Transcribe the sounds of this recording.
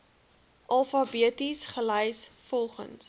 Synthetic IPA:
ʔɐlˠfɐbiətisχəlɛjsfɔlˠχə̰ns

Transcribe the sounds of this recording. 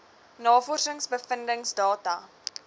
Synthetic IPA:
nɑːfɔrsəŋsbəfəndəŋsdɑːtɐ

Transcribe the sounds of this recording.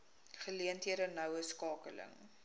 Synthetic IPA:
χəliəntɦiəɾənɐwəskɑːkələ̰ŋ

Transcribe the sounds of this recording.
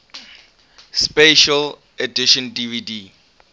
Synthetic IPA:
speʃal | ediʃɔ̃ndividi

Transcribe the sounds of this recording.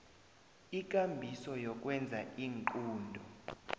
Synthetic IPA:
ik̬ʼambʱisɔjɔk̬ʼwɛnd͡zʱaiːŋǃuːndʱɔ

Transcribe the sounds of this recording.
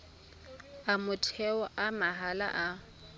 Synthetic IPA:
amʊtʰɛɔʔamaɦala̰ʔa

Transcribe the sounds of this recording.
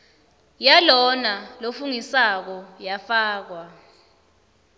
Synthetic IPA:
jalɔnalofuŋisak̬ɔjafaːk̬wa

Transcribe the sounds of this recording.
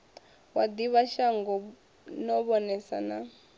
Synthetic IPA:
wad̪iβaʃaŋɡɔ | nɔβɔnɛsa̰na

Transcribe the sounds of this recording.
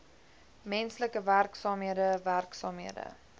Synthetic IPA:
mɛnsləkəværksɑːmɦiədəværksɑːmɦiədə̰

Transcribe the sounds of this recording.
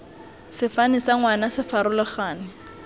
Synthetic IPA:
sɪfanisaŋwanasɪfaɾʊlʊχaːnɪ

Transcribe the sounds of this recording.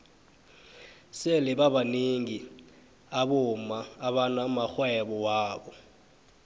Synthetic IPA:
sɛlɛɓaɓaneŋi | aɓɔmaːɓanamaxwɛɓɔwaːɓɔ

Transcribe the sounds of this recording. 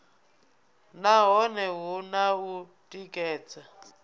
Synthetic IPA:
naɦɔnɛɦunaɦu | tʼikʼɛːt͡sʰʼa

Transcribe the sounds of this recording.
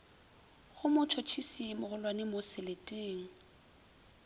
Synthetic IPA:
χʊmʊt͡ʃʰɔt͡ʃʰisimʊɣʊlwanɪmʊsɪletʼeːŋ̩

